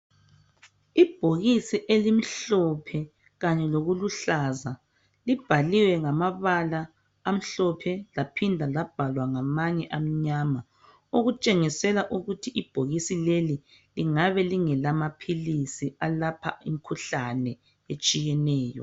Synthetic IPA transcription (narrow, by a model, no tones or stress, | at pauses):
ib̥ʱoɣisiʔelim̩ɬɔpʰɛ | ɣaɲɛloɣuluɬaza | lib̥ʱaliwɛŋamaβalaː | m̩ɬɔpʰɛlapʰindʱalab̥ʱalwaŋamaɲɛʔam̩ɲama | oɣut͡ʃʼeŋisɛlaʔuɣutʰiʔib̥ʱoɣisileli | liŋaβɛliŋɛlamapʰilisialapʰa̰ḭm̩kʰuɬanɛ | et͡ʃʼijɛnɛːjɔ̰